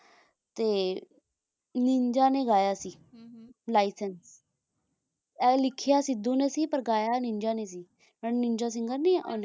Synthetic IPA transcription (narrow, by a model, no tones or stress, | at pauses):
t̪eː | nɪɲd͡ʒãːneːɡaːjaːsiː | laːisəns | ɛːlɪkʰɪjaːsɪd̪õːneːsiːpəɾɡaːjaːnɪ̃ɲd͡ʒaːneːsiː | mɛnɪɲd͡ʒaːs̬ɪ̃ŋɡəɾneːʔoːn